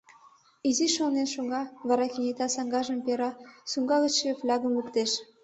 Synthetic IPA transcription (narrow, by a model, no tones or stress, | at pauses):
iziʃonenʃuŋɡɑvɑɾɑkʲinʲet̪ɑsɑŋɡɑʒə̆mpʲeɾɑsuŋɡɑɣɤ̆ʃeflʲɑɡə̆mukt̪eʃ